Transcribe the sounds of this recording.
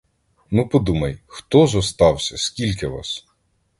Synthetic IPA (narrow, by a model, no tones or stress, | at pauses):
nupɔd̪umɐjxt̪ɔzɔst̪ɑwsʲɐskʲilʲkɪʋɑ̰s